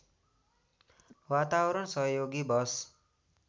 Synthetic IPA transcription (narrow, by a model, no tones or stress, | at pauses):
wat̪awʌɾʌnsʌɦʌjoɡibʌs